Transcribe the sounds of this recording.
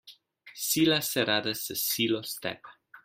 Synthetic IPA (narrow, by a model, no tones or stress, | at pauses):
silasɛɾadəsəsilost̪ɛ̰p